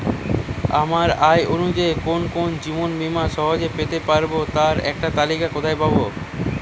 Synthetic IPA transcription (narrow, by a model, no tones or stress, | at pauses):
amaɾajʔonud͡ʑaekonkond͡ʑibonmimaʃɔɦod͡ʑepet̪epaɾbot̪aɾɛ̰k̚ʈat̪alikakot̪ʰajpabo